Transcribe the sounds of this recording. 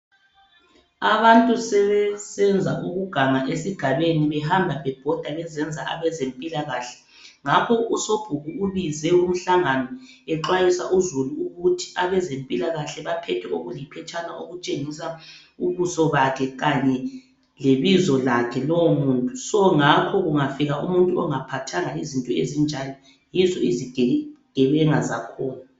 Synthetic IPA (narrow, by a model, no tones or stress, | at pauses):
aβantʼusɛβɛsɛnd͡zʱa̰ʔuɣuɡ̥ʱaŋaʔesiɡ̥ʱaβeniβɛɦambʱapɛb̥ʱɔd̥ʱaɣɛzɛnd͡zʱaʔa̰βɛzempʼilaɣaɬɛ̥ | ŋapʰɔusob̥ʱuɣuːβizɛum̩ɬaŋanɔ | ɛǁwajisa̰ʔuzuluuɣutʰi̥aβɛzempʼilaɣaɬɛβapʰɛtʰɛoɣulipʰɛt͡ʃʼʰanaʔoɣut͡ʃʼeŋisa | uβusɔβakʰɛɣaɲɛ | leβizɔlakʰɛlɔwomuːntʼusɔŋakʰɔɣuŋafiɣaʔṵmuntʼuɔŋapʰatʰaŋaizintʼɔezind͡ʒʱanɔ | jizɔiziɡ̥ʱɛɡ̥ʱɛβɛŋazakʰɔːna